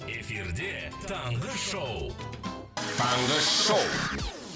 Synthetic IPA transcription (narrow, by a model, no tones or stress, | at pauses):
efiɾd̪et̪ʰɑɴʁəʃow | t̪ʰɑɴʁəʃow